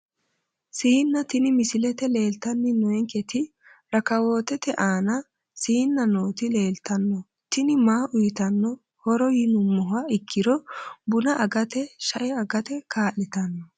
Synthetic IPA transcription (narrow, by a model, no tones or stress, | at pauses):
siːnːɐt̪ɪnɪmɪsɪlɛt̪ɛle̞ːlt̪ɐnːɪnɔɛŋkɛt̪ɪ | ɾɐkɐwo̞ːt̪ɛt̪ɛʔaːnɐ | siːnːɐnoːt̪ɪle̞ːlt̪ɐnːɔ | t̪ɪnɪmaːʔʊjɪt̪ɐnːɔ | hɔɾɔjɪnʊmːɔɦaɪkʰːɪɾɔbʊnɐʔɐɡɐt̪ɛʃɐʔɛɐɡɐt̪ɛkaːʔɪt̪ɐnːɔ